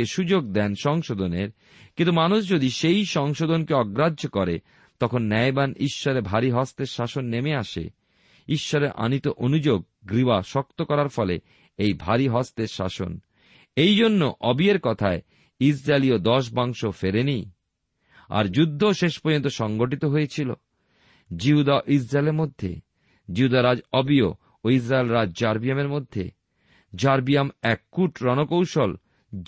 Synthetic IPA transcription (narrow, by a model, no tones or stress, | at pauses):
eʃud͡ʑoɡ̚d̪ɛnʃɔŋʃod̪oneɾ | kint̪umanuʃd͡ʑod̪iʃejʃɔŋʃod̪onkeɔɡɾadʑʱokɔɾe | t̪ɔkʰonːɛjbaniʃːɔɾebʱaɾiɦɔst̪eɾʃaʃonːemeaʃḛ | iʃːɔɾeɾʔa̰nit̪oʔonud͡ʑoɡ̚ːɾibaʃɔk̚t̪okɔɾaɾfɔle | ejbʱaɾiɦɔst̪eɾʃa̰ʃo̰n | ejd͡ʑonːoʔɔbieɾkɔt̪ʰae | isɾaeliod̪ɔʃ̬baŋʃofeɾenij | a̰ɾd͡ʑud̪ʱːoʃeʃpoɾd͡ʑont̪oʃɔŋɡoʈ̬it̪oɦoet͡ɕʰilo̰ | d͡ʑiɦud̪aʔis̬ɾaeleɾmod̪ʱːḛ | d͡ʑiɦud̪aɾad͡ʑɔbio | ois̬ɾaelɾad͡ʑd͡ʑaɾbiameɾmod̪ʱːḛ | d͡ʑaɾbiamɛkːuʈɾɔnokowʃol